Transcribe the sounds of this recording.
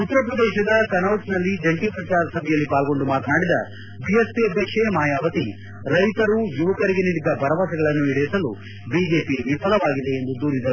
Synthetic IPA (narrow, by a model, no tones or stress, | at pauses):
ut̪ːɐɾɐpɾɐd̪ɛːʃɐd̪ɐkɐnɐwʈsnɐlːid͡ʒɐɳʈiːpɾɐt͡ʃaːɾɐsɐbʱɛjɐlːipaːlɡo̞ɳɖumaːt̪ɐnaːɽid̪ɐ̰ | bijespiɐbjɐkʂemaːjaːʋɐt̪i | ɾɐjt̪ɐɾujuʋɐkɐɾiɡe̞niːɽid̪ɐbʱɐɾɐʋasɐɡɐɭɐnːuiɽɐjsɐlu | biːd͡ʒe̞ːpiʋipɐlɐʋaːɡid̪e̞ːnd̪ud̪uːɾid̪ɐɾu